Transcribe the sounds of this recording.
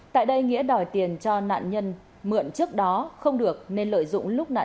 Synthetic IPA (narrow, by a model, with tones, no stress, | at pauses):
t̪a̰ː˧˨jɗə˧jŋḭ˧˥əɗɔ˨˩jt̪i˨˩ənt͡ɕɔ˧na̰ː˧˨nɲə˧n | mɨ̰˧˩ənt͡ɕɨ˦˥ək̚ɗɔ˨˦xə˧wŋ͡mɗɨ˨˩ək̚ne˧nlə̰ː˧˨jzʊ̰˧˨ŋ͡mlʊ˦˥k͡p̚na̰ː˧˨